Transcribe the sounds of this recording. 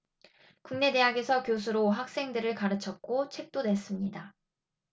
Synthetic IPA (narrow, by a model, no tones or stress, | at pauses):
kuŋne̞de̞ɦaɡe̞sʰʌkjos̬ʰuɾoɦak̚s͈e̞ŋdɯɾɯɭkaɾɯt͡ɕʰʌt̚k͈ot͡ɕʰe̞k̚t͈one̞s͈ɯmɲida